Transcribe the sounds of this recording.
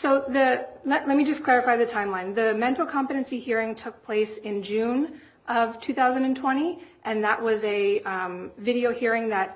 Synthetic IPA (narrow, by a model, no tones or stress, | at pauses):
soʊðɨlɛʔlɛt̚mid͡ʒʌskʰl̥ɛɹɨfaɪðɨtʰãɪ̃mlãɪ̃nðɨmɛ̃ntˡl̩ˠkʰɑ̃mfɨɾɨ̃nsihiɹɪ̃ŋtʰʊk̚pʰl̥eɪsɪ̃nd͡ʒʉ̃n | ʔʌv̥tʰʉθaʊzɨ̃n̩dɨ̃n̩tʰw̥ɛ̃ɾ̃iʔɨ̃nðəʔwʔʌzɨ | vɪɾioʊhiɹɪ̃ŋðɨt̚